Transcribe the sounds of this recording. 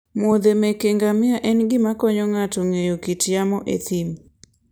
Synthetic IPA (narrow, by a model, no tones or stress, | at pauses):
mod̪emekeŋɡamɪaʔɛnɡɪmakɔɲɔŋatɔŋejokitjamɔʔet̪im